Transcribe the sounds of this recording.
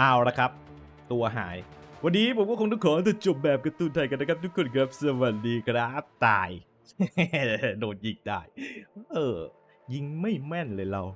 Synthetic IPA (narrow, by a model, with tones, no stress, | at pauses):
ʔaː˧˩wɾa˧˥kʰa˦˥p̚ | t̪u˧ɐɦa̰ː˩˦j | wa˧nːiː˦˥pʰo˩˦mkɔː˥˩kʰŋtɔ˥˩ŋkʰɔː˨˦t̪aː˧˩t͡ɕo˨˩p̚bɛː˨˩p̚ka˧t̪uː˧˩nt̪ʰa˧˩jka˧nːa˧˥kʰa˦˥p̚t̪u˦˥kʰːo˧˩nkɾɛː˦˥p̚sa˧wa˨˩t̚diː˧kʰɾaː˦˥t̪a̰ː˨˩j | noː˨˩t̪̚ʔiː˨˩k̚da̰ː˧˩jʔɤː˧˩ | ji˧ŋma˥˩jmɛ˥˩nlɤː˧jɾa˧w